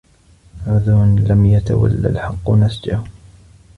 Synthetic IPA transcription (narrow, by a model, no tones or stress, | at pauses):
ʕʊðunlamjat̪a̰wa̰lːa̰lħɑqːʊnasd͡ʒahʊ